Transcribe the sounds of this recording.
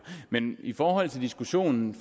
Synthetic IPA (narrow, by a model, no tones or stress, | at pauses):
menifɒːɦɒ̽l̰t͡sʰe̝ld̥isɡ̥uɕo̝̰ːnn̩f